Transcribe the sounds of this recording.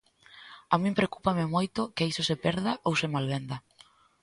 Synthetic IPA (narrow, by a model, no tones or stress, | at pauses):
amĩmpɾeokupamɪmojt̪ʊkeisosepɛɾðaʔowsemalβend̪a